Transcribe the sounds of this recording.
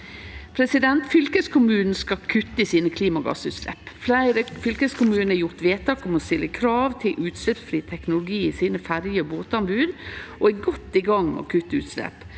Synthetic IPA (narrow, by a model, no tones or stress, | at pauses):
pʰɾɛsɪd̪ɛnt̪fʏlkəskʰʊmʉːnn̩skɑkʰʉt̪ːəɪsiːnəkʰliːmɑɡɑ̰sʉːt̪sɛ̰pflæɪɾəfʏlkəskʰʊmʉːnn̩æɾjʊɾt̪ʋeːt̪ʰːɑkɔmɔst̪ɪlːəkʰɾɑːʋt̪ʰɪlʔʉːt̪sɛpsfɾiːt̪ʰɛknʊlʊɡiːɪsiːnəfæɾjəɔboːt̪ɑmbʉːd̪ɔɛɡɔt̪ːiɡɑŋmɛ̰ɔ̰kʰʉt̪ːəʉ̰ːt̪sɛ̰p